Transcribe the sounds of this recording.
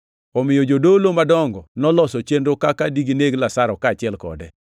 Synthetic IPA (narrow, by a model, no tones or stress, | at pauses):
ɔmɪjod͡ʒodolomadɔŋɡɔnɔlɔsɔt͡ʃenɾokakadiɡineɡlasaɾɔkaːt͡ʃɪɛlkɔ̰dɛ